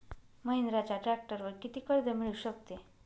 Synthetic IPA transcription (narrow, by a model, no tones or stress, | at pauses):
məɦind̪ɾat͡ɕjaʈɾæk̚ʈəɾʋəɾkit̪iːkəɽd̪əmiɭuɕəkt̪e